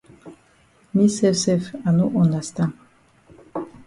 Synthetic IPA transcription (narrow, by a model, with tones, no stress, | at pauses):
ni˦sɛsɛfa˨nu˦ʔɔ˨na˨st̪ã